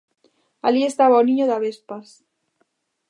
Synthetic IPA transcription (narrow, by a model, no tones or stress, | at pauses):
alie̞st̪aβaonĩɲoðaβespas